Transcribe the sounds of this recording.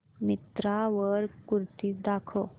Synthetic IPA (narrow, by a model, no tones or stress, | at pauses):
mit̪ɾaʋəɾkuɾt̪id̪akʰo